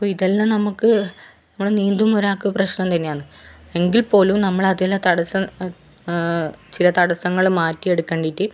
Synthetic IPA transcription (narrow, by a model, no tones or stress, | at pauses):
ɐpːoːiðelːamnɐmukːɨnɐmːuɽeniːnd̪umuɾaːkːuɐprɐɕnɐmt̪ɐnːejaːɳɨ | e̞ŋɡilpo̞ːlumnɐmːɐɭɐðilːɐt̪ɐɽɐsɐm | t͡ɕilɐt̪ɐɽɐsɐŋːɐɭumːaːtːieɽukːɐːɳɖitːi